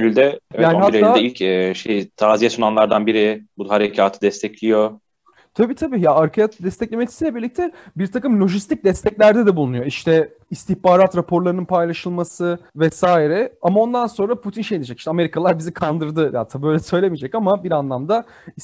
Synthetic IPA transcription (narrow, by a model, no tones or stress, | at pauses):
ylʲd̪ɛjaːnihatɾeaːd̪ɛilʲcɛʃejt̪ʰaːzijesunanlˠaɾd̪anbiɾɪbud̪ahaɾecʰaːt̪ʰɯd̪ɛst̪ʰɛclʲijo | t̪ʰabiːt̪ʰabiːjaaɾcʰaaːt̪ʰɯd̪ɛst̪ʰɛclʲemet̪ʰi̥silʲɛbiɾlʲic̚t̪ʰɛbiɾt̪ʰakɯmlʲo̞ʒist̪ʰic̚d̪ɛst̪ʰɛclʲæɾd̪ɛd̪ɛbulˠunujo̞iʃt̪ʰɛ | ist̪içbaːɾat̪ɾapʰo̞ɾlˠaɾɯnɯnpʰajlˠaʃɯlˠmasɯvɛsaːiɾɛamao̞nd̪anso̞nɾapʰut̪ʰinʃejd̪id͡ʒɛciʃt̪ɛame̞ɾikʰalˠaɾbizikʰand̪ɯɾd̪ɯa̰t̪ʰːaːbøjlʲɛsø̞jlʲemid͡ʒɛcamabiɾanlˠamd̪a